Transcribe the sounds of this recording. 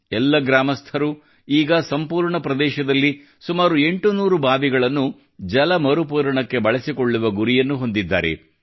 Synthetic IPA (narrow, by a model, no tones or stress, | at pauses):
ɛlːɐɡɾaːmɐst̪ʰɐɾu | iːɡɐsɐmpuːɾɳɐpɾɐd̪ɛːʃɐd̪ɐlːi | sumaːɾue̞ɳʈunuːɾubʱaːʋiɡɐɭɐnːu | d͡ʒɐlɐmɐɾupuːɾɐɳɐkːe̞bɐɭɐsikoɭːuʋɐɡuɾijɐnːuɦo̞nd̪id̪ːa̰ːɾe̞̰